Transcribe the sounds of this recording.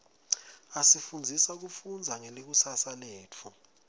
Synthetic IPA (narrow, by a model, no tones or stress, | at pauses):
asifund͡zʱisak̬ufund͡zʱaŋelik̬usasaleːt͡fʰu